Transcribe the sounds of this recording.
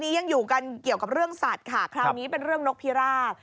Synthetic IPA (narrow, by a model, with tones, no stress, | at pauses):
niː˦˥ja˧ŋjuː˨˩ka˧nki˨˩əwka˨˩p̚ɾɯ˥˩əŋsaː˨˩t̪̚kʰaː˨˩kʰɾa˦ŋniː˦˥pe˧nɾɯ˥˩əŋno˦˥k̚pʰi˦˥ɾaː˥˩